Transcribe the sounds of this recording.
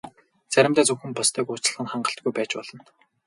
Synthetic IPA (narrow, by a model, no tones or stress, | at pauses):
t͡sæɾʲɪ̆mt̪æːt͡sɵwxɘ̆mpɔst̪ʰœːkʊːt͡ɕ̆ɮʁə̆nχaɴɢə̆ɬt̪̚ɡujpæːt͡ɕpɔɮɞ̆n